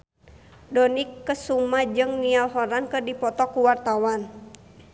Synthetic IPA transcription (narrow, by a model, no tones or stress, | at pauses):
dɔnikːəsumad͡ʒɨŋnialɦɔɾankɨrdipɔt̪ɔkuwart̪awan